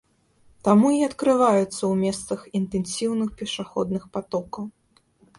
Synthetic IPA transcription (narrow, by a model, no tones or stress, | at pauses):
t̪amuiɐt̪kɾɨvajut̪sːɐwmʲɛst̪sɐxint̪ɛnsʲiwnɨxpʲɛʂaxɔd̪nɨxpat̪ɔkɐw